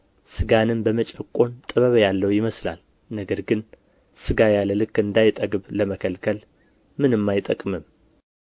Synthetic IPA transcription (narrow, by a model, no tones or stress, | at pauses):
sɨɡanɨnbəmət͡ʃʼəkʼo̞nt̪ʼəβəβəjalːəwjɪməsla̰l | nəɡəɾɡɨn | sɨɡajalːəlɨkːɨnd̪ajɪt̪ʼəɡɨβləməkʰəlkʰəl | mɨnɨmːajɪt̪ʼəkʼmɨm